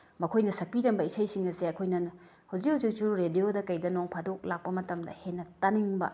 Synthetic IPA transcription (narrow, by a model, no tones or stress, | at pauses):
mɐkʰojnɐsɐk̚piɾɐmbɐisɐjsiŋɐseɐkʰojnɐnɐ | hawzikhɐwzit͡ʃuɾuɾediodɐkɐjdɐnoŋpʰadok̚lak̚pɐmɐtɐmdɐ̰henːɐtaniŋbɐ̰